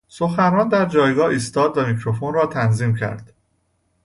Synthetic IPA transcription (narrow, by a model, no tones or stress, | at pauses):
so̞xænɾɒːnd̪æɾd͡ʒɒːjɡɒːiːst̪ɒːd̪væmicʰɾofonrɒːt̪ʰænziːmcʰæ̰ɾd̪̥